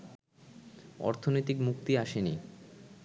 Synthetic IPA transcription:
ɔ̰ɾt̪ʰonojt̪ikmuk̚t̪iaʃeni

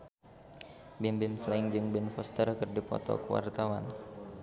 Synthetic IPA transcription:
bɪmbɪmslaɪŋd͡ʒɨŋbɛnfɔst̪ərkɨrdipɔ̰t̪ɔ̰kəwa̰rt̪awa̰n

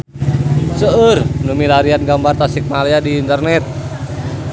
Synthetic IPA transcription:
səərnumilaɾianɡambart̪asik̚maliadiːnt̪ərnɛt̪̚

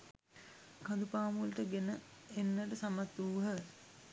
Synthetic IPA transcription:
kad̪upaːmulʈəɡenə | enːəʈəsamat̪uːɦə

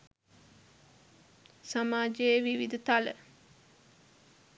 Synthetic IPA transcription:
samaːd͡ʒəjʋiʋid̪ət̪alə

